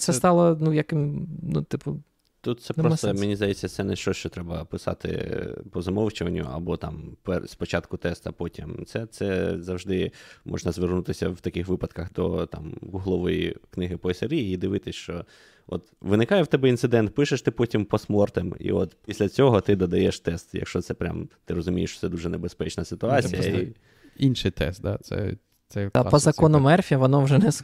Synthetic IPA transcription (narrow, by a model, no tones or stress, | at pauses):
t̪sɛt̪ɑlˠɐnujɐkɪmnut̪ɪpʊ | t̪ut̪̚t̪sɛpɾɔst̪ɔmenʲizd̪ɐjɛt͡sʲːɐt̪sɛnɛʃt͡ʃɔt͡ʃɔt̪ɾɛbɐpɪsɑ̰t̪ɪ̰pɔzɐmɔwt͡ʃɪʋɐnʲːʊ̰ɐ̰bɔt̪ɑmpɛspɔt͡ʃɑt̪kʊt̪ɛst̪ɐpɔtʲimt̪sɛt̪sɛzɐwʒd̪ɪmʔɔ̰ʐnɐzʋernut̪ɪsʲɐwt̪ɐkɪxʋɪpɐt̪kɐxd̪ɔt̪ɑ̰mɡuɦlˠɔʋɔjḭknɪɦɪpɔeseɾʲijiid̪ɪʋɪt̪ɪsʲʃt͡ʃɔ | ɔ̰t̪ʋɪnɪkɑjɛwt̪ɛbɛint̪sɨd̪ɛnt̪̚pɪʃeʃt̪ɪpɔtʲimpɔsmɔrt̪ɪmḭɔt̪pʲisʲlʲɐt͡sʲɔɦɔt̪ɪd̪ɔd̪ɐjɛʃt̪ɛst̪jɐ̰kʃt͡ʃɔt̪sɛpɾʲa̰mt̪ɪrɔzʊmʲijeʃt͡ʃɔ̥t̪ɛd̪uʐɛnebespɛt͡ʃnɐsɪt̪ʊɑat͡sʲijɐi | inʃɪjt̪ɛ̰st̪̚d̪a̰sɛ̰ | t̪sɛpɔzɐkɔnɔmɛrfʲiɐʋɔnɔwʒɛnɛs